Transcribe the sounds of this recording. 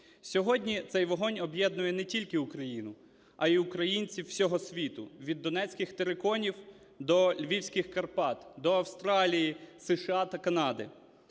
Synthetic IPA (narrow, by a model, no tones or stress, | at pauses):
sʲɔɦɔdʲnʲit̪sɛjʋɔɦɔnʲɔbjɛd̪nʊjɛnɛtʲilʲkɪukɾɐjinʊ | ɐiukɾɐjinʲt͡sʲiwsʲɔɦɔsʲʋʲit̪ʊʋʲid̪ːɔnɛt͡sʲkʲɪxt̪eɾekɔnʲiw | d̪ɔlʲʋʲiwsʲkɪxkɐrpɑt̪d̪ɔɐwst̪ɾɑlʲijisɛʃɐɑt̪ɐkɐnɑd̪ɪ̰